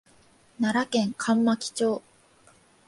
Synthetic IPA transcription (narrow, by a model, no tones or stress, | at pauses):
naɾakẽ̞ŋkʰãmːakʲi̥t͡ɕoː